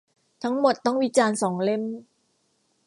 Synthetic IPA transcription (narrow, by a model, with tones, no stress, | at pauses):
t̪ʰa˦˥ŋmo˨˩t̪̚ːɔ˥˩ŋwi˦˥t͡ɕaː˧nsɔː˩˦ŋle˥˩m